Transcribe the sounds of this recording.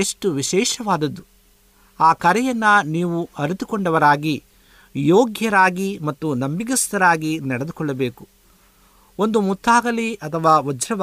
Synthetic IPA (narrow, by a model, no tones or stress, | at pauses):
eʂʈuʋiʃɛːʃɐʋaːd̪ɐd̪ːu | aːkɐɾɛjɐnːɐniːʋuɐɾit̪ukɔɳɖɐʋɐɾaːɡi | joːɡjɐɾaːɡimɐt̪ːunɐmbiɡɐst̪ɐɾaːɡinɐɽed̪ukɔɭːɐbeːku | o̞nd̪umut̪ʰːaːɡɐliʔɐt̪ʰɐʋaːʋɐd͡ʒɾɐʋ